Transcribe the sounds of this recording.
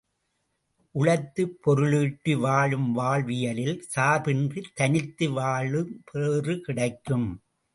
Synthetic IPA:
ʔʊɻɐɪt̪ːɯpʰːɔɾɯɭɯːʈːɯʋaːɻɯmʋaːɭʋɪjɐlɪlsaːbɪndrit̪ːɐnɪt̪ːɯʋaːɭɯpʰeːrɯkɪɽɐɪkːɯm

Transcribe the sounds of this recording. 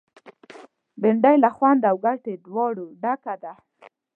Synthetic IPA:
bɪɳɖajlaxwand̪awɡaʈed̪wɑɽuɖakad̪a

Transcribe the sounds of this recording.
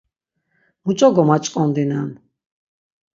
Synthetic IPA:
mut͡ʃʼɔɡɔmat͡ʃʼkʼɔnd̪inan

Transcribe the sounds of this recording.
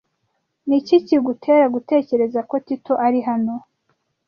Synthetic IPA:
niciciɡutʰe̞ːɾaɡute̞ːce̞ɾe̞zako̞tito̞ʔaɾiɦano̞

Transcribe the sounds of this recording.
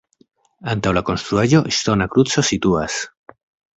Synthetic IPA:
ant̪awlakonst̪ɾuaʝoʔist̪onakɾut͡sosit̪uas

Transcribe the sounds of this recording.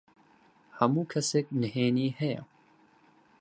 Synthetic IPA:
hɐmuːkʰɐsɛk̚nəheːniːhɛjɛ̰

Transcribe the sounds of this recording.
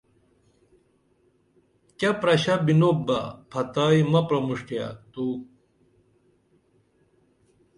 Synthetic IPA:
kɐpɾɐɕɐbinobɐpʰɐt̪aːjmɐpɾɐmuʂʈjɐ̰t̪uː

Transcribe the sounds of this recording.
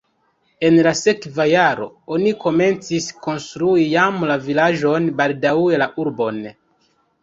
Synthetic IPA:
e̞nlase̞kvajaɾo̞̰ | o̞niko̞me̞nt͡sisko̞nstɾuijamlavilaʒo̞nbaldauelaʔuɾbo̞n

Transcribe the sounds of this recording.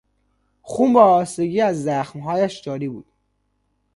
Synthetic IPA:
xuːmbæːst̪eɡiːæzːæxmɦɒːjæʃd͡ʒɒːɾiːbuːd̪̥

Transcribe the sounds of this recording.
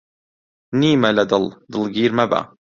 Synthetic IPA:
niːmalad̪ɑld̪ɨlɡiːɾmaba̰

